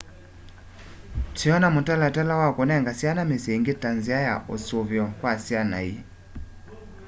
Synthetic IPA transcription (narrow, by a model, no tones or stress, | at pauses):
tiɔnamotalatɛlawakonɛŋɡasjanameseŋɡetanziaja̰ʔosoβjɔkwasiana̰i